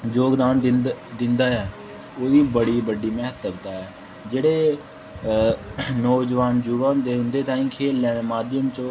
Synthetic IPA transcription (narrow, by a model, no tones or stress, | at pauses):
d͡ʒoːɡd̪aːnd̪ɪnd̪aːɛː | oːd̪iːbəɽiːbəɖiːmɛɦt̪əbt̪aːɛː | d͡ʒeːɽeː | nɔːd͡ʒəʋaːnd͡ʒuʋãːnd̪eːɦʊ̃nd̪eːt̪ãːĩːkʰeːlːɛ̃ːemaːd̪ɪjəmt͡ʃõː